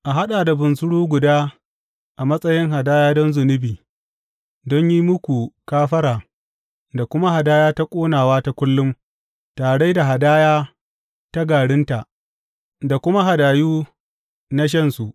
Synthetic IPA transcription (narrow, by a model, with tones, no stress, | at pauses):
ʔa˨ɦa˦ɗaː˨da˨bʊ˨nsʊ˦ɽuː˦ɡʷʊ˨daː˦ | ʔa˨mɐ˦sʼɐ˦jɪ˦ŋɦa˨daː˦jaː˦dɔ˦nzʊ˨nɪ˦biː˨ | dɔ˦ɲji˦mʊ˦kʷu˨kaː˦ɸɐ˦ɾaː˨ | da˨kʷʊ˦ma˦ha˨daː˦jaː˦ta˦kʷʼoː˦naː˨waː˦ta˦kʷʊ˦lːʊ˦m | taː˨ɽe˦da˨ɦa˨daː˦jaː˦ | ta˦ɡaː˨ɽɪ˦nta˨ʔ | da˨kʷʊ˦ma˦ɦa˨daː˨juː˦ | na˦ʃ̬ɐ˦nsu˨ʔ